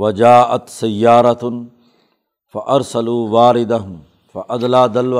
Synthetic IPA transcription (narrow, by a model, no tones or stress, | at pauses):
wɐd͡ʒaːʔat̪sɐjːaːɾˤɑt̪ | faʔɑɾˤsaluːwaːɾɪd̪aɦʊm | faʔad̪laːd̪alw